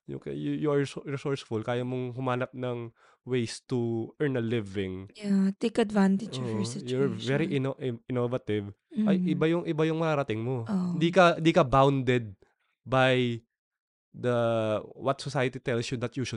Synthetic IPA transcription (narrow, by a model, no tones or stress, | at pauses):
jʊ̰kɐ̰jujuaɹsɹɪsɔɹsfʊlkaːjɐmoŋɦʊmaːnɐp̚nɐŋ | wejst̪uʔɛ˞nɐlɪvɪŋjat̪ekɐd̪vãnt̪ɪd͡ʒd͡ʒfɔɹɐjuɹvɛɾiʔɪnʔɪnovɐt̪ɪvʔɐjɪbajʊŋʔɪbajʊŋmɐaɾɐt̪ɪŋmoohɪnd̪ikɐhnd̪iːkɐbawnd̪ɛd̪̚ | baj | d̪ɐwɐt̪̚sɔsajɐt̪it̪ɛlsjʊd̪ɐt̪̚juʃʊ